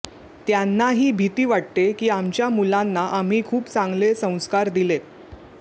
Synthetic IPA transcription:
t̪janːaɦiːbʱit̪iːʋaʈ̚t̪ekiːamt͡ɕjamulanːaʔam̤iːkʰuːpt͡sãŋɡlesə̃w̃skaɾd̪ile

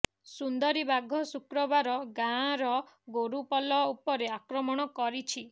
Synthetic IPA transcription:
sund̪ɔɾibaɡʱɔsukɾɔbaɾɔɡãɾɔ | ɡoɾupɔlɔupɔɾeakɾɔmɔɽ̃ɔkɔɾit͡ʃʰi

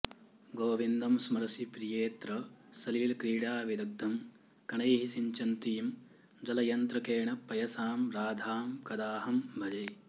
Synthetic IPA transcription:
ɡoːʋind̪ɐmsmɐɾɐsipɾijeːt̪ɾɐsɐliːlkɾiːɽaːʋid̪ɐɡ̚d̪ʱɐm | kɐɳɐjɦisiɲt͡ʃɐnt̪iːm | d͡ʒɐlɐjɐnt̪ɾɐkeːɳɐpːɐjɐsaːmɾaːd̪ʱaːmkɐd̪aːhɐmbʱɐd͡ʒɐj

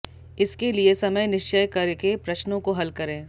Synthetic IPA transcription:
ɪskeliesɐməjnɪʃt͡ʃəjkɐɾkepɾɐʃnõkoɦɐlkɐɾẽː

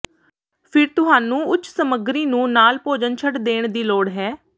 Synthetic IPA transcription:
pʰɪɾt̪ʊɦaːnũːʊt͡ʃsəməɡɾiːnũːnaːlpoːd͡ʒənt͡ʃʰəʈd̪eːɳ̃d̪iːloːɽɦɛː

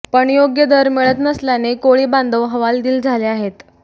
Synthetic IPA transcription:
pəɳjoɡjəd̪əɾmeɭət̪nəsljanekoɭiːband̪əʋɦəʋald̪iːld͡zʱaleaɦet̪

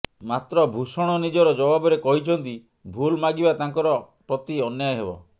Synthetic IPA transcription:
mat̪ɾɔbʱusɔɽ̃ɔnid͡ʒɔɾɔd͡ʒɔbabɔɾekɔɦit͡ʃʰɔnt̪i | bʱulmaɡibat̪aŋkɔɾɔ | pɾɔt̪iɔnjajɦebɔ̰

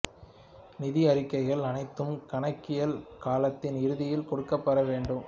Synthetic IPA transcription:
nɪðɪɐɾɪkːɐɪɣɐɭɐnɐɪt̪ːɯmkɐɳɐkːɪjɐlkaːlɐt̪ːɪnɪɾɯðɪjɪlkɔɽɯkːɐpːɐɾɐʋeːɳɖɯm

